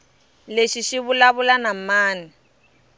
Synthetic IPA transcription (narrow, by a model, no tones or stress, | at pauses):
leʃiʃiβʊlaβʊlanam̩maːnɛ